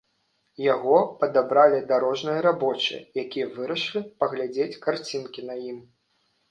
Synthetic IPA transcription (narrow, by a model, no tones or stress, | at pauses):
jaɣɔpɐd̪abɾalʲid̪aɾɔʐnɨjɐɾabɔt͡ʂɨ̰j̰jakʲijɐvɨɾɐʂlʲipɐɣlʲad͡zʲet͡sʲkart͡sʲinkʲinɐjim